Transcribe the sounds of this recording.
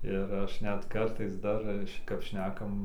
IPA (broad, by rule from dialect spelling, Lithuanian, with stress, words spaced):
ɪr ˈɐʃ ˈnʲɛt ˈkɐrtɐɪs ˈdɐr ˈt͡ʃʲɛ kɐp ˈʃʲnʲæːkɐm